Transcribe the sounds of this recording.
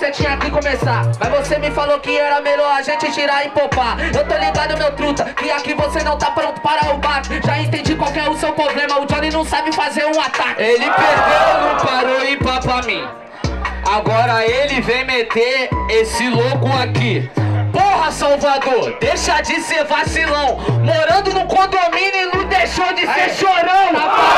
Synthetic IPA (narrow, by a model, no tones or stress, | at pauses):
set͡ʃĩɲɐakikõmesamavosemɪfalokɪɛlɐmeʎoaʒẽnt͡ʃɪt͡ʃiɾaɪ̃popaewt̪oliɡad̪ʊʊmewt̪ɾut̪ɐkɪakivosenɐ̃w̃t̪apɾõnt̪ʊ̥paɾaobakʊ̥ʒaẽnt̪ẽd͡ʒikwawkɛɾʊsewpɾoblẽmɐʊd͡ʒõnɪ̃nɐ̃w̃sabɪfazeɾũat̪akɪelɪpeɾd̪ewɪ̃paɾoipapamĩ | aɡɔɾɐelɪvẽj̃met̪eɾesɪloɡʊakipohɐsawvad̪oɾd̪ejʃɐd͡ʒɪseɾvasilɐ̃w̃moɾɐ̃nd̪ʊnʊkõd̪omĩnʊnʊd̪ejʃowd͡ʒɪʃoɾõwaa